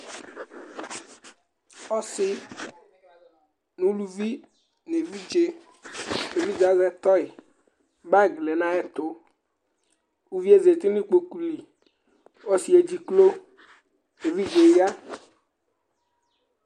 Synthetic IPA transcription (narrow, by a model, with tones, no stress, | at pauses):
ɔ˦sɪ˦ | nũ˨˦lu˨vi˦ | ne˨vi˦d͡ʒe˨ | ne˨vi˦d͡ʒa˨˦zɛ˦t̪ɔ˦ɪ˨ | ba˦˨ɡlɛ˨nã˦ɛ˦t̪ʊ˨˦ | u˦vi˦e˦ze˨t̪i˦nĩ˦k͡po˨ku˦li˨ | ɔ˦si˨˦e˨d͡ʒi˨klo˦ | e˨vi˦d͡ʒe˨˦ja˦